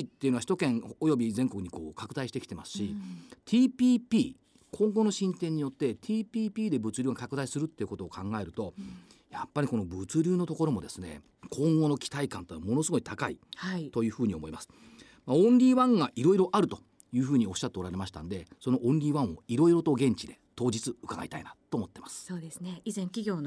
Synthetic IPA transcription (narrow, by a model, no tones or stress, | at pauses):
it̪ːeiɯnoaçi̥t̪okẽ̞ŋojo̞bʲizẽ̞ŋko̞k̟ɲ̟iko̞̰ːkakɯ̟d̪aiɕit̪ekʲi̥t̪e̞masɨ̥ɕit̪ʲʰiːpʲiːpʲiː | kʰõ̞ŋɡo̞no̞ɕĩnt̪ẽ̞ɲ̟ːijo̞t̪ːe̞t̪ʰiːpʲiːpʲiːd̪e̞bɯ̟t͡sɨɾʲɨːɡakakɯ̟d̪aisɨɾɯ̟t̪ːe̞iɯ̟ko̞t̪o̞ːkʰãŋɡae̞ɾɯ̟t̪o̞japːaɾʲiko̞no̞bɯ̟t͡sɨɾʲɨːno̞t̪o̞ko̞ɾo̞mo̞d̪e̞sɨne̞̰ | kʰõ̞ŋɡo̞no̞kʲʰi̥t̪aikã̰nt̪eːnamo̞no̞sɨɡo̞it̪akaḭhait̪o̞jɯ̟ːɸɯ̟ːɲ̟io̞mo̞imasɨ̥ | maõ̞nɾʲiːβãŋɡaʔiɾo̞iɾo̞ʔaɾɯ̟t̪o̞̥ | jɯ̟ːɸɯ̟ːɲ̟io̞ɕːat̪ːeɾaɾe̞maɕi̥t̪a̰nod̪e̞so̞no̞ʔõ̞ɲɾʲiːβãɰ̃o̞̰iɾo̞iɾo̞t̪o̞ɡẽ̞ɲ̟t͡ɕid̪e̞t̪o̞ːd͡ʑit͡sɨɯkaɡa̰it̪a̰inat̪ːo̞ːmo̞t̪ːe̞masɨ̥soːd̪esɨneizẽ̞ŋkʲiɡʲo̞ːn